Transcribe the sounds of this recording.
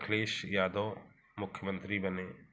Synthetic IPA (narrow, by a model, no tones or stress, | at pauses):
kʰleːʃjaːd̪oː | mʊkʰːjmə̃nt̪ɾibɐneː